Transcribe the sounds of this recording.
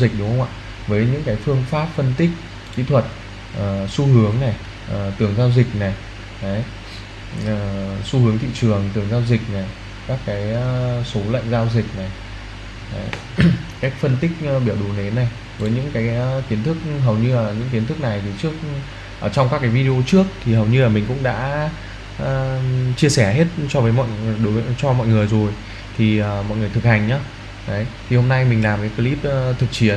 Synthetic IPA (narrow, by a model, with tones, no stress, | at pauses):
zï˨˩k̟̚ɗʊ˨˦ŋ͡mxə˧wŋ͡mʔa̰ː˧˨˩ | vəː˨˦jɲɨ̰˧˥ŋkaː˨˦jfɨ˧əŋfaː˦˥p̚fə˧nt̪ï˦˥k̟̚ | kḭ˧˥t̪ʰwə˨˩t̚ | ʔəː˨˩su˧hɨ˨˦əŋna˨˩j | ʔə˨˩t̪ɨ˨˩əŋzaː˧wzï˨˩k̚na˨˩j | a˨˦j | əː˨˩su˧hɨ˨˦əŋt̪ʰḭ˧˨t͡ɕɨ˨˩əŋt̪ɨ˨˩əŋzaː˧wzï˨˩k̟̚na˨˩j | kaː˦˥kːaː˨˦jso˨˦lə̰˧˨ŋ̟zaː˧wzï˨˩k̚na˨˩j | ə˨˦j | ka˦˥k̚fə˧nt̪ï˦˥k̟̚ɓi˧˩əwɗu˨˩ne˨˦nːa˨˩j | vəː˨˦jɲɨ̰˧˥ŋkaː˨˦jki˨˦ənt̪ʰɨ˦˥k̚ɦə˨˩wɲɨ˧laː˨˩ɲɨ̰˧˥ŋk̬i˨˦ənt̪ɨ˦˥k̚na˨˩jt̪ʰi˨˩t͡ɕɨ˦˥ək̚ | ʔəː˧˩t͡ɕɔ˧wŋ͡mkaː˦˥kːaː˨˦jvi˧ɗi˧ʔo˧t͡ɕɨ˦˥ək̚t̪ʰi˨˩ɦə˨˩wɲɨ˧laː˨˩mi̟˨˩kʊ̰˧˥ŋ͡mɗa̰ː˧˥ | ʔə˧˩t͡ɕi˧əsɛ˧˩ɦe˦˥t̚t͡ɕɔ˧vəː˨˦jmɔ̰˧˨jɗo˨˦vt͡ɕɔ˧mɔ̰˧˨jŋɨ˨˩əjzo˨˩j | t̪ʰi˨˩əː˨˩mɔ̰˧˨jŋɨ˨˩əjt̪ʰɨ˨˩k̚ha˨˩jŋ̟ɲaː˨˦ | ɗə˨˦jt̪ʰi˨˩ho˧mna˧jmï˨˩ŋ̟laː˨˩mkaː˨˦jkə˨˦li˦˥p̚ːt̪ʰɨ˨˩k̚t͡ɕi˧˩ən